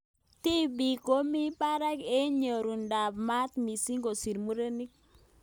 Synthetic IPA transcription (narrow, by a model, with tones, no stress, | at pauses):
ti˦bi˨ko˦mi˦pa˦ɾa˦ke˦ɲo˨ɾu˨nda˨bma˦t̪mi˨si˦ŋɡo˨si˨ɾmu˦ɾe˦ni˦k̚